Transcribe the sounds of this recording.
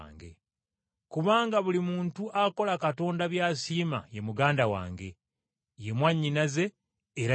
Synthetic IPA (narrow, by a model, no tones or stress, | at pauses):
ŋɡe̞̰ | kuβaːŋɡaβulimuːntuʔako̞lakato̞ːndaβjaːsiːma̰je̞muɡaːndawa̰ːŋɡe̞̰ | je̞mwaɲːinaze̞ː | ɾa